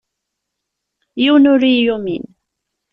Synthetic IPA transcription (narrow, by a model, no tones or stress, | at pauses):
jʊnʊɾijʊmɪn